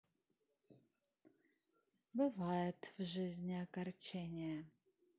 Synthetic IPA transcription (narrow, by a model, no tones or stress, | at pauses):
bɨvajɛtʰvʒɨzʲnʲɪɐkɐrt͡ʃʰenʲɪjɛ